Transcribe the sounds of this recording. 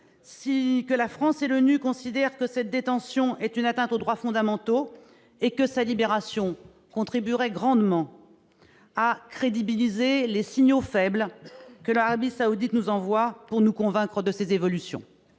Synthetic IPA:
sikəlafχɑ̃selənykɔ̃sid̪ɛʁkəsɛt̪̚d̪et̪ɑ̃sjɔ̃ɛt̪ynat̪ɛ̃t̪od̪ʁwafɔ̃d̪amɑ̃t̪o | ekəsalibeʁasjɔ̃ | kɔ̃t̪χibyʁɛɡʁɑ̃d̪mɑ̃ | akχed̪ibilizelesiɲofɛblkəlaʁabisaud̪it̪nuzɑ̃vwapuʁnukɔ̃vɛ̃kχəd̪əsezevɔlysjɔ̰̃

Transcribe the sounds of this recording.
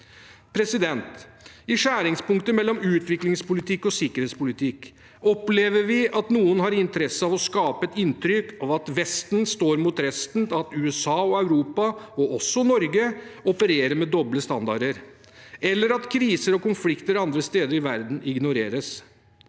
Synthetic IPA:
pʰɾɛsɪd̪ɛnt̪ɪʂæːɾɪŋspʊŋkt̪əmɛlːɔmʉːt̪ʰʋɪklɪŋspʊlɪt̪ʰɪkːɔsɪkːəɾheːt̪spʊlɪt̪ʰɪk | ɔpleːʋəɾʋɪʔɑt̪nuːənɦɑɾɪnt̪əɾɛsəɑʋɔskɑːpəɛt̪ɪnt̪ɾʏkɑʋɑt̪ʋɛst̪nst̪oːɾmut̪ɾɛst̪nɑt̪ʉːɛsɑːɔœʉɾuːpɑɔɔsːɔnɔɾɡəɔpəɾeːɾəmɛd̪ɔbləst̪ɑnd̪ɑɖəɾ | ɛlːəɾɑt̪kʰɾiːsəɾɔkʊnflɪkt̪əɾɑnd̪ɾəst̪eːd̪əɾɪʋæɾd̪n̩ʔɪɡnʊɾeːɾəs

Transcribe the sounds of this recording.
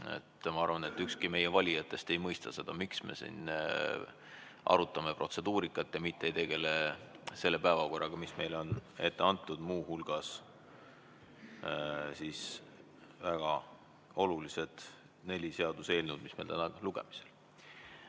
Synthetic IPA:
ḛt̪ːmɑɑrvɑne̞t̪ːˑykskime̞jevɑlʲijɑt̪ːˑe̞st̪e̞jmɤjst̪ɑse̞d̪̥ɑmiksmḛsḭn | ʔɑ̰ɾut̪ːˑɑme̞prʔo̞t̪se̞d̪̥uːɾikːˑɑt̪ːˑjɑmit̪ːˑejt̪e̞ɡ̥e̞le̞se̞lːe̞pæevɑko̞rːɑɡ̥ɑmisme̞jlo̞ne̞t̪ːe̞ɑnt̪ːˑud̪̥muːhulɡ̥ɑs | siːs | væɡ̥ɑ | o̞lulised̪̥ | ne̞lʲise̞ɑd̪use̞ːlnud̪̥mismejlt̪ænɑluɡ̥e̞mi̥sel

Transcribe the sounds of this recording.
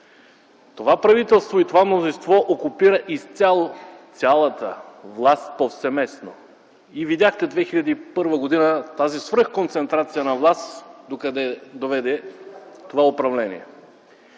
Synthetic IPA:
t̪ovapɾɐvit̪ɛlˠst̪voit̪ovamnozĩnst̪vɔʔokʊpiɾəʔist̪sʲalˠot̪sʲalˠɐt̪əvlˠast̪̚pofsɛmɛsno̰ | ivid̪ʲjaxt̪ɛd̪vɛxilʲɐd̪iːpɤɾvəɡod̪inət̪azisvɾɤxkont̪sɛnt̪ɾat̪sijənɐvlˠast̪d̪okɐd̪ɛd̪ovɛd̪ɛt̪ovaopɾɐvlɛnḭɛ

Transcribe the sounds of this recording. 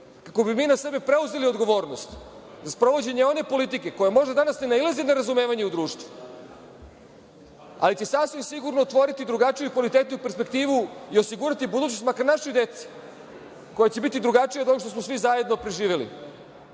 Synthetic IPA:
kako̞bimiːnase̞bepɾe̞uzelio̞d̪ɡo̞ʋo̞ːɾnost̪ | zaspɾo̞ʋo̞d͡ʑe̞ɲeo̞ne̞po̞lit̪̬ike̞ko̞jamo̞ʒd̪ad̪anasnenailezineɾazume̞ːʋaɲe̞ud̪ɾuːʃt̪ʋu | a̰lit͡ɕe̞sasʋimsiɡuɾnoːt̪ʋo̞ɾit̪id̪ɾuɡat͡ʃijuikʋalit̪eːt̪ɲupe̞ɾspe̞kt̪iːʋuiosiɡuɾat̪ibud̪uːt͡ɕnost̪makaɾnaʃojd̪et̪si̥ | ko̞jat͡ɕe̞bit̪id̪ɾuɡat͡ʂijad̪oʃt̪osmo̞sʋizaje̞d̪no̞pɾeʒiːʋelḭ

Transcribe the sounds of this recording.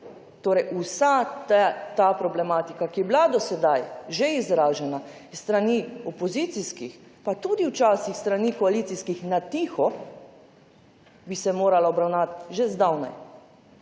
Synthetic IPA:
t̪oːɾɛjʔusat̪t̪apɾɔblɛmaːt̪ikakiɛblad̪ɔsɛd̪ajʒeizɾaːʒɛnaist̪ɾaniːɔpɔzit̪siskixpat̪uːd̪iwt͡ʃaːsixst̪ɾaniːkɔaliːt̪siskixnat̪ixɔ | bisɛmoːɾalaɔbɾawnat̪ʒezd̪awna̰j

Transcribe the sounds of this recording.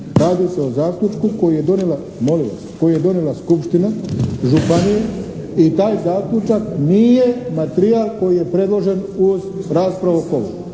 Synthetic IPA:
ɾaːd̪ise̞ozaːklʲut͡ʃkuko̞jije̞d̪o̞nela | mo̞liʋa̰sko̞jije̞d̪o̞nelaskupʃt̪inaʒupanije | it̪aːjzaːklʲut͡ʃakniːje̞mat̪ɾiaːlˠko̞jije̞pɾe̞d̪lo̞ʒe̞nuzɾaːspɾaʋokoʋo

